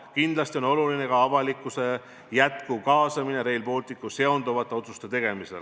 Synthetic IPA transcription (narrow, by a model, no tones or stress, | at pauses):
kind̪lɑst̪io̞no̞luline̞kɑɑvɑlikːˑuse̞ | jæt̪kukɑːsɑmine̞ɾe̞jlpo̞ːlt̪ˑikːˑuse̞o̞nd̪uvɑt̪ːˑeo̞t̪sust̪e̞t̪e̞ɡ̥e̞misel